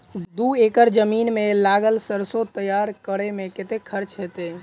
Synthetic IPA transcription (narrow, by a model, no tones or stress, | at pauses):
d̪uekəɾd͡ʒəminmelaɡəlsəɾsot̪əjaɾkəɾemeket̪ekʰəɾt͡ʃɦet̪e